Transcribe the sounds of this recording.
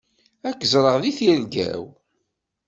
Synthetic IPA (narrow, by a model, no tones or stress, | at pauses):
ækːzˤɾˤəʁðiθjælɡæ̰w